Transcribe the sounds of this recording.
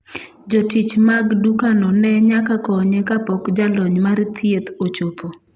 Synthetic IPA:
d͡ʒotit͡ʃmaɡdukanɔnɛɲakakɔɲekapɔkd͡ʒalɔɲmaɾt̪ʰjet̪ot͡ʃopo

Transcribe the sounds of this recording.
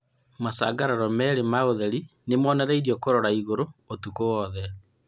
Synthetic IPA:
masa̰ːɡaɾaɾɔmɛɾemaoðɛɾinemɔːnɛɾaiɾiɔkoɾoɾaiɣoɾootukowɔðɛ

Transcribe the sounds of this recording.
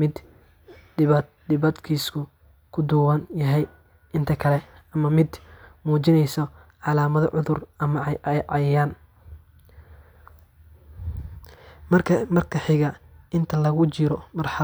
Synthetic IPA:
mɪd̪ | d̪ɪβɐd̪kʰiːskʰʊ | kʰʊd̪ʊwɐnjɐɦɛj | ʔɪnt̪ʰɐkʰɐlɛ | ɐmɐmɪd̪muːt͡ʃɪnɛjsɔʕɑlaːmɐðɔ̰ʕʊðʊrɐmɐʕɑjɐjaːn | mɐrkʰɐmɐrkʰɐħɪɣɐʔɪnt̪ʰɐlɐɣʊt͡ʃɪɾɔmɐrħɑ

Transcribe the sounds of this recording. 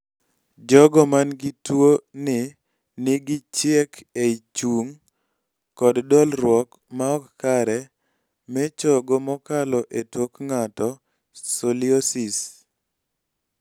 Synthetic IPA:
d͡ʒɔɡɔmanɡɪtwonɪ | nɪɡɪt͡ʃjekeit͡ʃuŋ | kɔddɔlɾwɔk | maɔkkaɾɛ | mɛt͡ʃɔɡɔmɔkalɔʔetwokŋatɔ | soliosis

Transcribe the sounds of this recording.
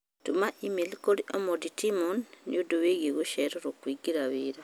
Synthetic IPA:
tumaʔimilkoliʔomoditimonːḭuduβeɣiɣuʃɛɾoɾokwiɡiɾaβiɾa

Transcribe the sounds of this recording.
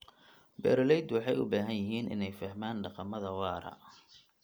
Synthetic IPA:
bɛ̰ɾlɛjd̪wɑħɑjʊ̰baːɦɐnjɪɦiːnʔɪ̰nɛjfɐhmaːnɖɑqɑmɐðɐwɑːɾɐ̰

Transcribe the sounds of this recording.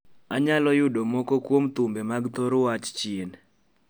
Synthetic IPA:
aɲalɔjʊdomokokwomt̪umbemaɡt̪oɾwat͡ʃt͡ʃien

